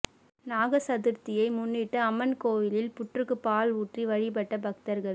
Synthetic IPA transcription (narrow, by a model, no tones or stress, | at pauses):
naːɣɐsɐðɯɾt̪ɪjɐɪmʊnːɪʈːɐɐmːɐnkoːʋɪlɪlpʊʈrɯkːɯpaːluːʈriʋɐɻɪbɐʈːɐbɐk̚t̪ɐɾɣɐɭ